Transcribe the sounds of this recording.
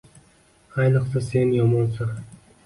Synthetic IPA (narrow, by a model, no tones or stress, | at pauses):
ajnɨqsase̞njɒmɒnsa